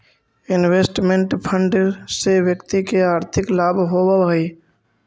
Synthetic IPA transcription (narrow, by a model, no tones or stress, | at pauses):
ɪnweːsʈmẽɳʈpʰə̃ɳɖsewjəkt̪ikeaːɾt̪ʰɪklaːbʱɦowaɦi